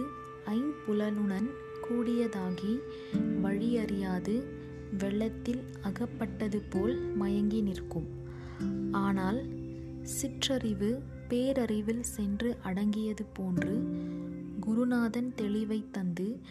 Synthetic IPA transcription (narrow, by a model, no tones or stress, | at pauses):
ɐɪnpʊlɐlɯɳɐn | kuːɽɪjɐðaːɣi | ʋɐɻɪɐrɪjaːðɯ | ʋɛɭːɐt̪ːɪl | ɐɣɐpːɐʈːɐðɯpoːlmɐjɐŋɡɪnɪrkːɯm | ʔaːnaːl | sɪʈrɐrɪʋɯ | peːɾɐrɪʋɪlsɛndrɯʔɐɽɐŋɡɪjɐðɯpoːndrɯ | ɡʊɾʊnaːðɐnt̪ɛɭɪʋɐɪt̪ːɐnd̪ɯ